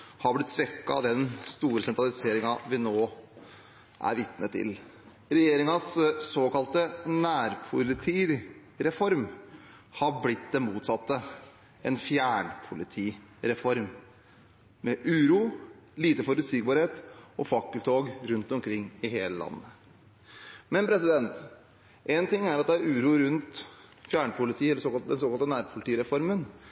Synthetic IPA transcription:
hɑblɪt̪ːsʋɛkːɑ̰d̪ɛnst̪uːɾəsɛnt̪ɾɑlɪseːɾɪŋɑʋɪnoː | ʔæ̰ɾʋɪt̪nət̪ʰːɪ̰l | ɾɛjeːɾɪŋɑssoːkɑlt̪ənæːɾpʰʊlɪt̪ʰiːɾɛfɔɾm | hɑɾblɪt̪̚d̪ɛnmuːt̪sɑt̪ːə | ɛnfjæːɳpʰʊlɪt̪ʰiː | ɾɛfɔɾm | mɛʔʉːɾuːliːt̪əfɔɾʉt̪siːk̚bɑːɾheːt̪ɔfɑkːəlt̪ʰoːɡɾʉnt̪ɔmkʰɾɪŋːɪɦeːləlɑ̰nːə | mɛnpʰɾɛsɪd̪ɛnt̪ | ʔɛnt̪ɪŋːæɾɑt̪̚d̪ɛæɾʉːɾuːɾʉnt̪fjæːɳpʰʊlɪt̪ʰiːɛlːəɾsoːkɑd̪ɛnsoːkɑlt̪ənæːɾpʰʊlɪt̪ʰiːɾɛfɔɾmən

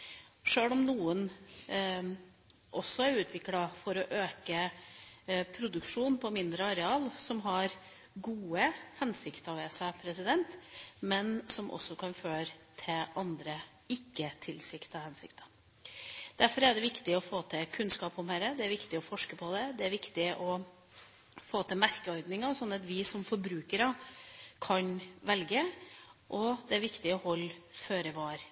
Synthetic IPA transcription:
ʂøːlɔmnuːən | ʔɔsːɔæɾʉːt̪ʰʋɪklɑfɔɾɔʔøːkə | pʰɾʊd̪ʉkʂuːnpʰɔmɪnd̪ɾəɑɾɛɑːlsɔmɦɑɾ | ɡuːəhɛnsɪkt̪əɑʋɛːsɑpʰɾɛsɪd̪ɛnt̪mɛnsɔmʔɔ̰sːɔkʰɑnføːɾət̪ʰɪlʔɑnd̪ɾə | ɪkːət̪ʰɪlsɪkt̪ɑhɛnsɪ̰kt̪ə̥ | d̪̥æɾfɔɾæɖɛʋɪkt̪ɪɔfoːt̪ʰɪkʰʉnskɑːpɔmhæɾəd̪ɛæɾʋɪkt̪ɪɔfɔʂkəpʰɔd̪ɛd̪ɛæɾʋɪkt̪ɪʔɔ | foːt̪ʰɛmæɾkəɔʏd̪nɪŋəɾɔsɔnːət̪ʋɪsɔmfɔɾbɾʉːkəɾɑkʰɑnʋɛlɡəʔɔd̪ɛæɾʋɪkt̪ɪɔhɔlːføːɾəʋɑːɾ

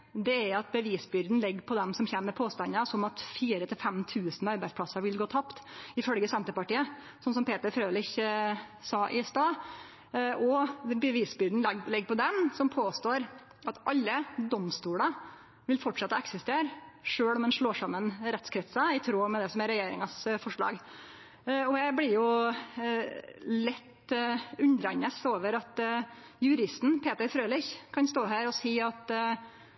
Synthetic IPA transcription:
d̪ɛæɾɑt̪̚bəʋiːsbʏɾd̪n̩lɪɡːpʰɔd̪ɛmsɔmçeːmːəɾpʰoːst̪ɑnːɑsɔmɑt̪fiːɾət̪ʰɪlfɛmt̪ʰʉːsnɑɾbæɪdspʰlɑsəɾʋɪlɡoːt̪ʰɑpt̪ɪfœlɡəsɛnt̪əpɑʈiːə | sɔns̬ɔmpʰeːt̪əɾfɾøːlɪç | sɑːʔɪst̪ɑː | ʔɔbəʋiːsbʏɾd̪n̩lɪɡːpɔd̪ɛmsɔmpʰoːst̪oːɾ | ɑt̪ʔɑlːəd̪ɔmst̪uːɽə | ʋɪlfɔʈʂɑt̪ːəɛksɛst̪eːɾʂøːɽɔmd̪ɛnʂɭoːʂɑmːənɾɛt̪skʰɾɛt̪səɪt̪ʰɾoːmɛd̪ɛsɔmɛɾɛjeːɾɪŋɑsfɔʂɭɑ̰ːɡ | ɔjæɪbɽɪɾjʊ | lɛt̪ːʉnd̪ɾɛɲːəsoːʋəɾɑt̪ | jʉɾɪst̪n̩pʰeːt̪əɾfɾøːlɪçkʰɑnst̪oːɦæːɾɔsiːɑt̪

